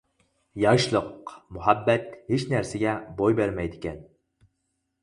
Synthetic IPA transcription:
jɑʃlˠɤqmʊɦæbːæt̪het͡ʃnæɾsæɡʲæbojbeɾmæjd̪ɪkʲɛn

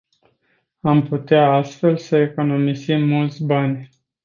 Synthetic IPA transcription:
amput̪eaast̪fe̞lsəe̞ko̞no̞mizimːult̪sʲbanʲ

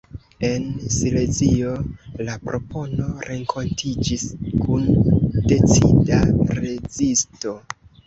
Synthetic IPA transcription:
e̞nsile̞zio̞lapɾo̞po̞no̞ɾe̞ŋkʰo̞ntʰid͡ʒiskunde̞t͡sḭdaɾe̞zisto̞

